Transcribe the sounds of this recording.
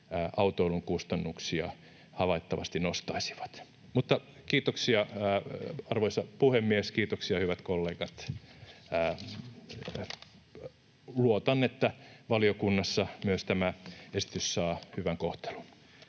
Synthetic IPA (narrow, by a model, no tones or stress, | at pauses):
ʔɑut̪oiluŋkust̪ɑnːuksiɑ̰ | hɑʋɑit̪ːɑʋɑ̰st̪inost̪ɑisi̥ʋɑ̥t̪ | mut̪ːɑ | kiːt̪oksiɑː | ɑrʋoisɑpuhemːieskiːt̪oksiɑhyʋæt̪kolːeːɡɑt̪ː | luot̪ɑnːet̪ːæʋɑliokunːɑsːɑmyøst̪æmæesi̥t̪yssɑːhyʋæŋkoht̪e̥lu̥n